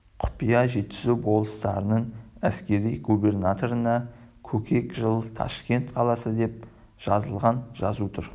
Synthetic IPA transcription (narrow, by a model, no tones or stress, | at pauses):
qʰʊ̥pijɑʒe̞t̪ːɪzubo̞lˠəst̪ɑɾənəɴæskʲe̞ɾijɡube̞rnat̪o̞ɾənɑkʲʰɵkʰʲe̞kʒəlˠt̪ʰɑ̰ʃkʲe̞nt̪qʰɑlˠɑsəd̪e̞p̚ | ʒ̥ɑzəlˠʁɑnʒɑzut̪ʰʊɾ